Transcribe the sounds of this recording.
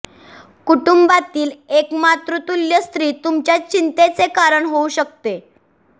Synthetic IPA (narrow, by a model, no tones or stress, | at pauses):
kuʈumbat̪iːlekmat̪ɾut̪uljəst̪ɾiːt̪umt͡ɕjat͡ɕint̪et͡sekaɾəɳɦouɕək̚t̪e